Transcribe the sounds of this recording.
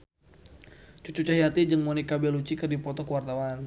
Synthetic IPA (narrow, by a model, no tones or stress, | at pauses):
t͡ʃut͡ʃut͡ʃaɦiat̪id͡ʒəŋmonikabɛlut͡ʃikɨrdipɔt̪ɔkəwart̪awan